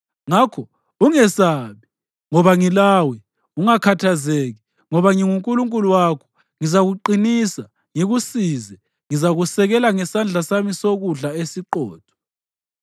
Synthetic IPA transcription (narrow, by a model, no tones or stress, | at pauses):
ŋakʰɔ | uŋɛsaβi | ŋɔβaŋilawɛ | uŋakʰatʰazeɣi | ŋɔβaŋiŋuŋkʼuluŋkʼuluwakʰɔ̥ | ŋizaɣuǃinisa | ŋiɣusizɛ | ŋizaɣusɛɣɛlaŋɛsand͡ɮʱasamisoɣuɮaesiǃɔ̰ːtʰɔ̥